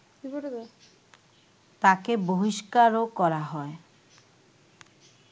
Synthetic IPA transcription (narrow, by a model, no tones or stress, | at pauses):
i | t̪akeboɦiʃkaɾokɔɾaɦɔe